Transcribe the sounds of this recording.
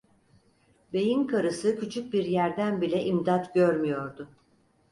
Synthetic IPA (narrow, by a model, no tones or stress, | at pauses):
be̞jinkʰaɾɯsɯcʰyt͡ʃʰyc̚biɾjæɾd̪ænbilʲɛʔimd̪at̪ɟøɾmyjo̞ɾd̪ʊ